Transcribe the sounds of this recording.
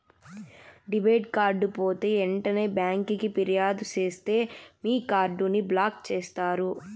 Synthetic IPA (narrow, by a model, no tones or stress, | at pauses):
ɖibɐjɖ̚kaːɾɖupo̞ːt̪e̞ːɛɳʈɐne̞ːbjaːŋkikipiɾijaːd̪ut͡ʃeːst̪e̞ːmiːkaːɾɖuniblaːkt͡ʃeːst̪aːɾu